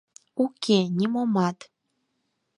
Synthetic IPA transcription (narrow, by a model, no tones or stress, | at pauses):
ukʲenʲimomɑt̪